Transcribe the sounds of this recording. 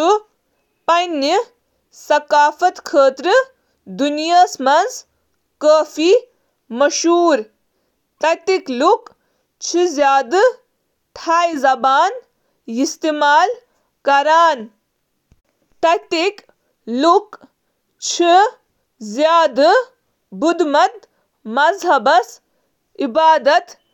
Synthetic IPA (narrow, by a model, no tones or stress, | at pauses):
u | pɐnːi | sɐkaːfɐt̪kʰəːt̪ɾɨ | d̪unjaːsmɐnz | kəːfi | mɐʃuːɾ | t̪ɐt̪ikluk | t͡ʃʰizʲjaːd̪ɨ | ʈʰaːjzɐbaːn | ist̪imaːl | kɐɾaːn | t̪ɐk̚t̪ik | luk | t͡ʃʰi | zjaːd̪ɨ | bud̪mɐt̪̚ | mɐzɦɐbɐs | ibaːd̪ɐt̪